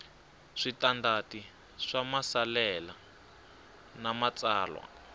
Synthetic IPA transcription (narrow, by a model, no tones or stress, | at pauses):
ʂitandati | ʂamasalɛla | namat͡sʼaːlwa̰